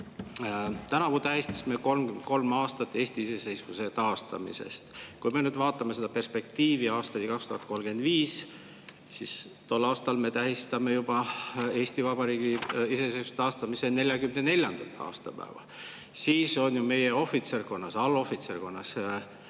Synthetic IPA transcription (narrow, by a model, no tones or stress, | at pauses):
t̪ænɑkut̪æɦist̪ɑ̥sime̞ko̞lmɡyko̞lmɑːst̪ɑt̪ːˑe̞ːsʲt̪iise̞se̞jsvuse̞t̪ɑːst̪ɑ̰mḭse̞̰st̪kujme̞nyːd̪vɑːt̪ːˑɑmese̞d̪̥ɑpe̞rspe̞k̚t̪iːviɑːst̪ɑnʲikɑkst̪uhɑt̪̚ˑko̞lmɡ̥e̞nd̪viːs | sis | t̪olːɑːst̪ɑlme̞t̪æɦist̪ɑme̞jub̥ɑe̞ːst̪ivɑbɑɾiːɡiise̞se̞jsvuset̪ɑːst̪ɑmise̞ne̞lʲjɑɡymnene̞lʲjɑnd̪̥ɑt̪ːˑɑ̰ːst̪ɑpæ̰evɑ̰ | siːso̞nʲjume̞je̞o̞fit̪serko̞nːɑsɑlːo̞fit̪serko̞nːɑs